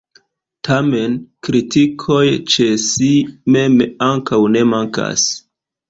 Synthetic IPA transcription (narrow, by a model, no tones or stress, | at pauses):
tʰame̞nkɾitikʰo̞jt͡ʃesime̞maŋkawne̞maŋka̰s